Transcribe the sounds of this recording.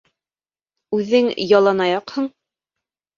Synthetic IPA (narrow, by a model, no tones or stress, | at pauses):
ʉðɘŋjɑlˠɑnɑjɑqhɤɴ